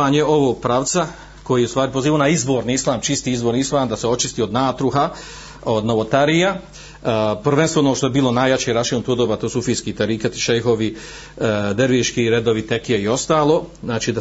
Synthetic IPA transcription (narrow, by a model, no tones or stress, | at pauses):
aːɲeo̞ʋoːɡ̚pɾaːʋt̪sa | ko̞jijeust̪ʋaːɾipo̞ziːʋoːnaizbo̞ːɾniislˠaːmt͡ʃist̪iːizboːɾniislaːmd̪aseot͡ʃist̪iːo̞d̪naːt̪ɾuɦa | od̪noʋot̪aɾija | pr̩ʋenst̪ʋoonoʃt̪o̞ebiːlo̞naːjat͡ɕeɾaʃeːnut̪ud̪oːʋaːt̪oːsufiːskit̪aɾikat̪i̥ʃejɦoʋi | d̪eɾʋiʃkiɾed̪o̞ʋit̪ekijeio̞st̪aːlˠo̞ːznaːt͡ʃiːd̪a